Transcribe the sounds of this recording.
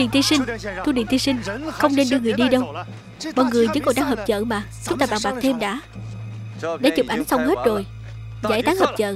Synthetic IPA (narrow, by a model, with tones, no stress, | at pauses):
ɗḭ˨˧˨nt̪i˧sï˧ŋ̟t̪ʰu˧ɗḭ˧˨nt̪i˧sï˧ŋ̟xə˧wŋ͡mne˧nɗɨ˧əŋɨ˨˩əjɗi˧ɗə˧w | mɔ˨˩ŋɨ˨˩əjzɨ̰˨˦kɔ˨˩ɗaː˧ŋɦəː˨˩p̚t͡ɕə̰ː˧˨maː˨˩t͡ɕʊ˦ŋ͡mt̪aː˧ɓaː˧˩ŋɓaː˨˩k̚t̪ʰe˧mɗa̰ː˧˥ | ɗa̰ː˧˥t͡ɕu˨˩p̚ʔa˨˦jŋ̟sa˧wŋ͡mɦe˦˥t̚zo˨˩j | zaː˧˥˩jt̪aː˨˦ŋhəː˨˩p̚t͡ɕə̰ː˧˨